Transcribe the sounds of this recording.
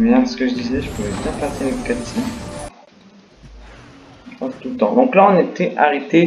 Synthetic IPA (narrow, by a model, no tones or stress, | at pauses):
bjɛ̃sə̥kəʒəd̪izɛʒəpuvɛbjɛ̃paseləkat̪i | pɑ̃st̪ult̪ɑ̃d̪ɔ̃klaɔ̃net̪ɛʔa̰ʁet̪e